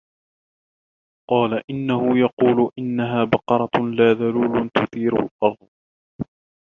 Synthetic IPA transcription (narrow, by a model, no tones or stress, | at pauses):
qɑːlaʔɪnːahʊjɑquːlʊʔɪnːaɦaːbɑqɑɾˤɑlaːðaluːlʊnt̪ʊθiːɾa̰lʔɑɾˤðˤ